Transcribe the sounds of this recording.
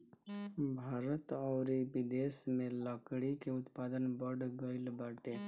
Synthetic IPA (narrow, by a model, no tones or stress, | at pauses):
bʱaːɾət̪ɔʊɾibid̪esmẽləkɽikeʊt̪paːd̪ənbəɽɡəɪlbaːʈe